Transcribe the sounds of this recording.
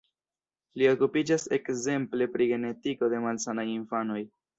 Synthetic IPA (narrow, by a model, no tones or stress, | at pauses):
lio̞kupid͡ʒase̞kze̞mple̞pɾiɡe̞ne̞tiko̞de̞malsanajinfano̞j